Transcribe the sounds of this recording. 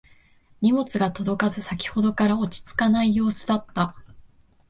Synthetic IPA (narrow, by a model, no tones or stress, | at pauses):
ɲ̟imo̞t͡sɨɡat̪o̞d̪o̞kazɨsakʲi̥ho̞d̪o̞kaɾao̞t͡ɕi̥t͡sɨ̥kanaijo̞ːsɨd̪at̪ːa